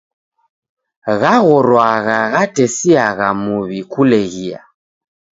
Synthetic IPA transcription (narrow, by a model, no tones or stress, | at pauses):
ɣaɣɔɾwaɣaɣatɛsiaɣamuβikulɛɣia̰